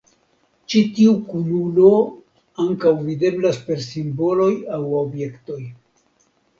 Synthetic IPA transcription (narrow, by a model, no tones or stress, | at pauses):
t͡ʃitiukululo̞ | aŋkawvide̞blaspe̞ɾsimbo̞lo̞jawobje̞kto̞j